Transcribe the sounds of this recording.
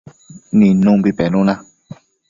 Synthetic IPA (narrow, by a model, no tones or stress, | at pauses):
nĩnũbipɛnũnã